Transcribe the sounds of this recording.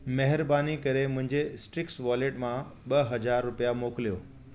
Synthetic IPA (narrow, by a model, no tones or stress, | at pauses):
mɐɦɪɾbaːnikɐɾemʊ̃ɦɪ̃ɲd͡ʑesʈɾɪksʋaːleːʈmãɓɐɦɐd͡ʑaːɾːʊpijamoːklijoː